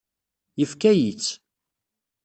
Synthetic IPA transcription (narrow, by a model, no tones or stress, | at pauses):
jəfkæjit͡sː